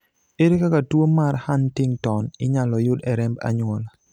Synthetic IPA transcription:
eɾekakatwomarhantɪŋtɔnɪɲalɔjʊdɛɾɛmba̰ɲʊɔl

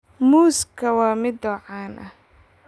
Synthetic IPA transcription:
muːskʰɐwɑːmɪd̪ɔːʕaːnʔɐh

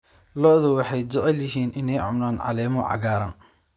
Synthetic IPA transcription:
lɔðɐwɑħɑjd͡ʒʊʔɛljɪɦiːnʔɪnɛjʕʊ̰mnaːnʕɑ̰lɛːmɔʕɑ̰ɣaːɾɐn

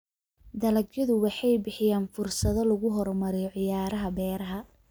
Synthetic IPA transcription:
d̪ɐlɐɡjɐðʊwɑħɑjbɪħɪjaːnfʊrsɐðɔlɐɣʊɦɔrmɐɾɛjɔʕɪjaːɾɐɦɐbɛːɾɐɦɐ

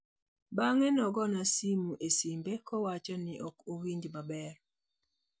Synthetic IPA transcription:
baŋɛnɔɡɔnasimuʔesimbekɔwat͡ʃɔniʔɔkowiɲd͡ʒmabɛɾ

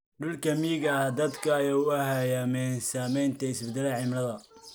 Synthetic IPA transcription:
ɖʊlkʰɐmiːɣɐd̪ɐd̪kʰɐɐjaːʊɐhajamɛnsaːmɛjnt̪ʰɐɪsbɛd̪ɛlɛʕɪmɾɐðɐ

